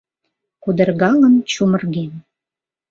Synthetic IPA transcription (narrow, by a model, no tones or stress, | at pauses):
kud̪ə̆rɣɑlənt͡ɕumə̆rɣen